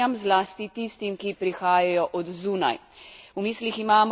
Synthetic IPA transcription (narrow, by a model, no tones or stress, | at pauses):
amzlaːst̪it̪ist̪imkipɾixaːjajɔʔɔd̪zuːna̰j | wmiːsliximaːm